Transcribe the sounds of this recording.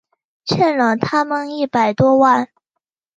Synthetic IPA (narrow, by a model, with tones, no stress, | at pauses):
t͡ɕʰjɛ˥˩nlə˨˩t̪ʰa˥mə˨ni˥˩pa˨˩ɪt̪wɔ˥wa˥˩n